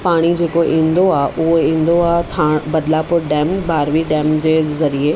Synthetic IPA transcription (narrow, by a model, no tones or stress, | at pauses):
paːɽ̃id͡ʑeːkoʔĩːnd̪oaːɦʔʊɦoĩːn̆d̪oaːt̪ʰãːɽbɐd̪lapʊɾɖɛːmbaːɾʋiɖɛːmd͡ʑeːzɐɾie